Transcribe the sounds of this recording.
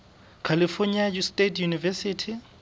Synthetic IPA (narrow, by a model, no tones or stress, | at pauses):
kʰalifɔɲiad͡ʒustʼetʰjunivɛsitʰi